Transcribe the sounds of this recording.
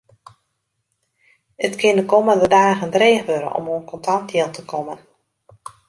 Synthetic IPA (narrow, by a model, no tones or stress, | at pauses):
ətkʰɪndəkɔməndədaːnəɣəndreːxʋøɾə̰ʔɔ̰moənkɔntantjɪlˠtəkʰɔmən